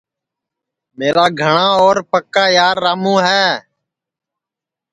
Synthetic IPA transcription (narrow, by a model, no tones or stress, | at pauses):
meːɾaːɡʱəɳãːoːɾpəkːaːjaːɾːaːmũːɦɛː